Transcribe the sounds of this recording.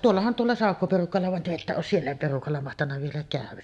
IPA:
tuolːɑhɑn tuolːɑ sɑˑokːoperukɑlːɑ ʋɑn te etːæ oːs sielːæ perukɑlːɑ mɑhtɑnːɑ ʋielæ kæˑyʋæ

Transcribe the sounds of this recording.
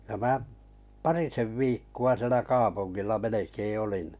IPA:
jɑ mæːʔ pɑriseʋ ʋiːkːuɑ sĭelæ kɑːpunːilːɑ melekeː olin

